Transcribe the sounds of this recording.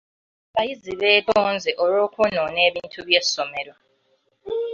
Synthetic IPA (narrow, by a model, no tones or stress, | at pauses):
βajiziβetʰonzɛʔoɾoːkʰononeːβintʰuβjesomeɾo